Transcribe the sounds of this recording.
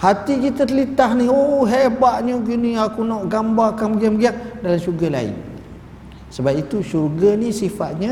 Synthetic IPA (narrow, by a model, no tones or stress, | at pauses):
hat̪ikit̪ət̪əlit̪aɦnihoɦeʔbaʔɲuɡunĩakunɔʔɡambakamɡiamɡiaŋdalamʃuɾɡala̰ḭn | səbapit̪uʃuɾɡanisifat̪̚ɲa